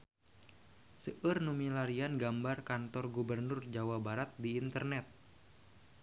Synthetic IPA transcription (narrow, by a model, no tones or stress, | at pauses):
səʔərnumilaɾianɡambarkant̪ɔrɡubərnʊrd͡ʒawabaɾat̪̚diːnt̪ərnɛt̪̚